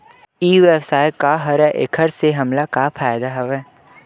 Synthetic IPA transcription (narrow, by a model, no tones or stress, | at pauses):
iːʋeːbsaːjkaɦɐɾɛʔḛkʰəɾseɦɐmlakaːfʰaːjd̪aɦɐʋɛː